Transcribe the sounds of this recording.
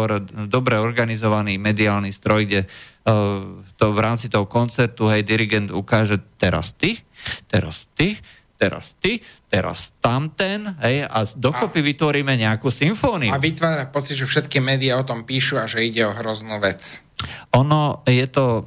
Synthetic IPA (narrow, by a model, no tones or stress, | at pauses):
ɾd̪ɔbɾɛɔɾɡanizɔʋaniːmɛd̪iaːlnist̪ɾɔjɡɟɛ | t̪ɔʋɾaːmt͡sit̪ɔɦɔkɔnt͡sɛɾt̪uɦɛjd̪iɾiɡɛnd̪ukaːʒɛt̪ɛɾa̰st̪it̪ɛɾa̰st̪i | t̪ɛɾa̰st̪it̪ɛɾa̰st̪amt̪ɛnɦɛja̰d̪ɔkɔpiʋit̪ʋɔɾiːmɛɲɛakuːsiɱfɔːniuaʋit̪ʋaːɾapɔt͡sid̪ʒɛfʃɛt̪kimɛːd̪iɪaɔt̪ɔmpiːʃuaʒɛiɟɛɔɦɾɔznuːʋɛt͡s | ɔnɔjɛt̪ɔ